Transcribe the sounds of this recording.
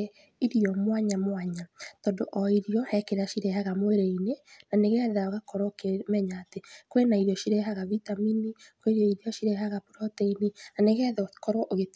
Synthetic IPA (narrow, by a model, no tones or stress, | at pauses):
iɾiɔmwaɲamwaɲatɔndoʔɔiɾiɔhɛkeɾaʃiɾehaɣamoeɾeinenaneɣɛðaoɣakɔɾokemɛɲaːtekwenaiɾɔʃiɾeɦaɣavitaminikweɾjɔiɾiɔʃiɾeɦaɣapuɾɔteininaneɣɛðkɔɾɔʔoɣe